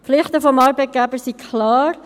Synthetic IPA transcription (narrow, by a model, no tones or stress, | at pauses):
pflɪχtəfɔmɑːɾbɛt̚ɡ̥ɛbəsikʰlɑːɾ